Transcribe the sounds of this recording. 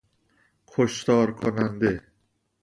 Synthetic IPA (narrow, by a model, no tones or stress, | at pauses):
kʰoʃt̪ɒːɾkʰonand̪e